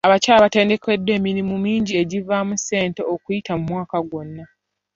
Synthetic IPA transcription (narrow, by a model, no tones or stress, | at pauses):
aβacaːlaβate̞ːnde̞ke̞dːwe̞ːminimumiːɲɟie̞ɟivamuse̞ːnte̞okujitamumwaːkaɡwo̞nːa